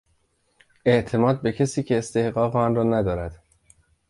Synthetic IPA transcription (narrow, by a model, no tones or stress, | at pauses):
e̞ʔt̪ʰe̞mɒːd̪̚be̞cʰesiːcʰe̞ːst̪e̞hɢɒːɣeɒnrɒːnæd̪ɒːɾæd̪̥